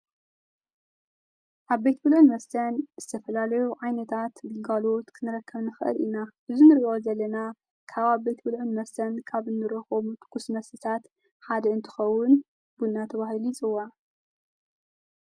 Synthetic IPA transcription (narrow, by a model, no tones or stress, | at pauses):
ʔaβbet̪bɨlʕɨnmɐsɐnz̥ɨt̪ʰɐfɐlalɐjuʕajnɐt̪ʰat̪ɡɨŋɡalo̞t̪kʰɨnɨɾɐkːɐβnɨxɨʔɨ̰lʔinaʔɨzunɨɾio̞zɐlːɐna | kʰaβaβbejt̪bɨlʕɨnmɐsɐnkʰaβɨnːɨɾɐxomut̪ʰkʰusmɐsɨsʰat̪ | ħad̪ɐɨnt̪ʰɨ̥xɐwːʊn | b̥unːat̪ʰɐβaɦilit͡sʼɨwːa